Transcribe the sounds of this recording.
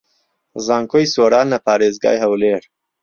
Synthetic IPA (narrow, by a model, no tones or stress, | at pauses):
zaːŋkojsoːɾaːnːɐpʰaːɾeːzɡa̰ːjɦɐwleːɾ